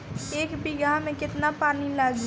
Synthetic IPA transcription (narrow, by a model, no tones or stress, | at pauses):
eːkbiɡamẽkɪt̪napaːnilaːɡ